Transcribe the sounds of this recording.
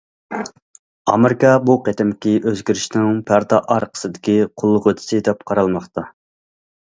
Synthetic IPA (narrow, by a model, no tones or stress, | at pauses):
ɑmeɾɪkʰɑbuqet̪ɪmkʲiʔøzɡʲyɾɪʃnɪŋpʰæɾd̪ɑʔɑɾqʰə̥sɨd̪ɪkʲiqʰʊlˠːʊʁøt̪ʰɪ̥sɪd̪ɛpqʰɑɾɑlˠmɑχt̪ɑ